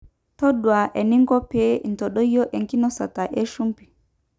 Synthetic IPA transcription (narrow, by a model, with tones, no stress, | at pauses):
tɔ˦ɗwa˨ʔɛ˨ni˦ŋɡɔ˦pe˦˨n̩˨tɔ˨ɗɔ˦jɔ˦ʔɛ˨ŋki˦nɔ˦sa˨ta˨ʔɛ˦ʃu˦mpi˨